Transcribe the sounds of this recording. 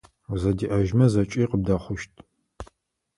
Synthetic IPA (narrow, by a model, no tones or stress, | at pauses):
zɐdiːʔɐʒmɐzɐt͡ʃʼiːqəb̚dɐχʷʊʃtʰ